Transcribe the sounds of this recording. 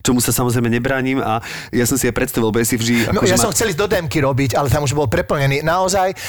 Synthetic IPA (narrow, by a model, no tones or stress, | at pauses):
t͡ʃɔmusasamɔzɾɛɪmɛɲɛbɾaːɲima | jasɔmsiapɾɛt̪st̪aʋilbɔjɛsivʒd̪ia̰nɔjasɔmxt͡sɛlizd̪ɔd̪ɛmkiɾɔbiɟalɛt̪amuʒbɔlpɾɛpl̩ɲɛniːnaɔzaj